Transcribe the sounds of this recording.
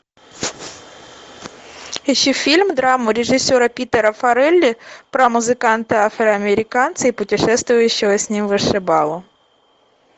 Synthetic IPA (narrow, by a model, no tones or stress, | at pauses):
ɛɕifʲilʲmd̪ɾɑmʊɾʲeʐɪsʲɔɾɐpʲit̪ɛɾɐfɐɾɛlʲːipɾɐmʊzɪkɑnt̪ɪafɾɐɐmʲeɾʲɪkɑnt̪sɨipʊtʲɪʂɛst̪ʋʊjʊɕːɪɦɔsʲnʲimʋɨʂɛbɑlˠɔ